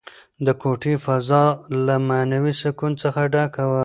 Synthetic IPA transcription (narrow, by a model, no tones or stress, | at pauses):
d̪əkʰoʈifazɑlamanawisɪkunt͡səxaɖakawə